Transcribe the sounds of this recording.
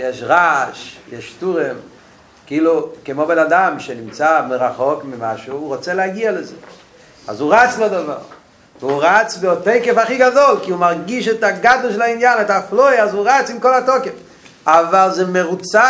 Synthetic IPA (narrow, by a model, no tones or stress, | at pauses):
jɛʃʁaʃjɛʃtuʁem | kiːlukemobɛnadamʃenimt͡samɪʁaχɔkmɪmaʃuuʁɔt͡sɛlɛaɡialəzɛ | a̰zuʁat͡slodava̰ʁ | vuʁat͡sveɔteɪkefaχiɡadɔlˠkiumaʁɡiʃɛtaɡadllˠʃelainjanɛtaflojazuʁat͡sɪmkɔlatɔkef | avalˠzɛmeʁut͡sa